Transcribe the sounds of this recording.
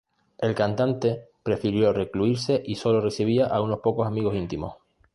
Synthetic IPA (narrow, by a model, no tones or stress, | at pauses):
e̞lkant̪ant̪e̞pɾe̞fiɾjo̞re̞kluiɾse̞ʔiso̞lo̞re̞siβ̞iaʔauno̞hpo̞kosamiɣo̞sint̪imo̞̰h